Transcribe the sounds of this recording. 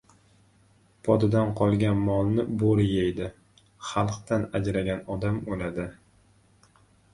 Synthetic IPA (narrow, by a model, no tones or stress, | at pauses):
pʰɒd̪ɪd̪anqʰɒlˠɡʲanmɒlˠnɪboɾjejd̪ɪ | χɑlˠqt̪anad͡ʒɾaɡʲanɒd̪amolad̪ɪ